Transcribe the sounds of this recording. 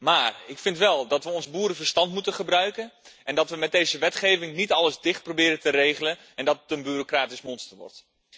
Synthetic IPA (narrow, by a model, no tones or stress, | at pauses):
maːrɪkfɪntʋɛlˠdɑtʋəɔnzbuːɾəvərstɑntmutənχəbrœɥkənʔɛndɑtʋəmɛd̚ejzəʋɛtχejvɪŋnitɑləzdɪχt̚probɪːɾətərejχələn | ɛndɑttənbyrokraːtɪsmɔnstərʋɔ̰rt